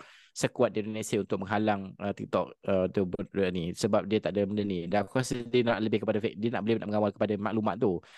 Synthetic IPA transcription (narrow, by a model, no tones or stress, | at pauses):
səkuwat̪̚diindonesiaunt̪ʊk̚məŋɦalaŋət̪ik̚t̪ɔʔ̚ət̪ubʊt̪̚nisəbap̚diət̪aʔdəməndənidakasədinaʔləbɪhkəpadafɛk̚diənaʔbolɪhnaʔməŋawalkə̥padamãʔlumaʔt̪u